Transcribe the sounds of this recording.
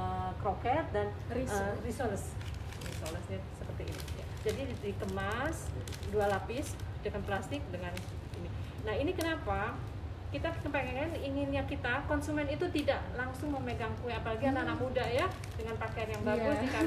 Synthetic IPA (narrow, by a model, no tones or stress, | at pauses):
əkɾokɛt̪̚danriərisoləs | risoləsɲasəpərt̪ḭːnḭja̰d͡ʒadidik̪əmasdualapɪsdakanplast̪ɪk̚dəŋanini | nahinikənapa | kit̪akəpaŋaŋaniŋɪnjakit̪akɔnsumɛnit̪ut̪idaʔlaŋsʊŋməmeɡamkuɛapalaɡiananamudaja | dəŋanpakajanjaŋbaɡusdika